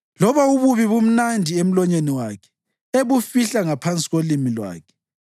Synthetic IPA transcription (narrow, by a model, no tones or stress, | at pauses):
lɔβauβuβiβum̩nandʱiem̩lɔɲeniwakʰɛ̥ | eβufiɬaŋapʰant͡sʼiɣolimilwa̰ːkʰɛ̥